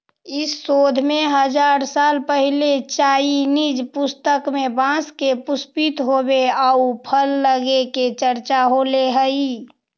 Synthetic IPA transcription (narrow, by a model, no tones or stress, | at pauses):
ɪsːoːd̪ʱmeɦəd͡ʒaːɾsaːlpəɦilet͡ʃaːinid͡ʒpʊst̪əkmebãskepʊspit̪ɦobeaupʰəlːəɡeket͡ʃəɾt͡ʃaɦoleɦəi